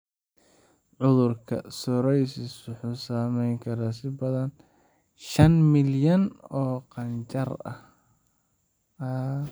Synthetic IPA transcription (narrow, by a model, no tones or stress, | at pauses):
ʕʊðʊrkʰɐ̰sɔɾɛjsɪswʊħuːsaːmɛjŋkʰɐɾaːsɪbɐðɐn | ʃɐnmɪljɐnɔːqɑnt͡ʃɐrɐ̰h